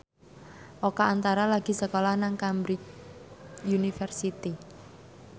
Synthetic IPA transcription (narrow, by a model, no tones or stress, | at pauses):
ʔokaːnt̪aɾalaɡ̥i̤səkolahnaŋkambɾit͡ʃ | junifərsit̪i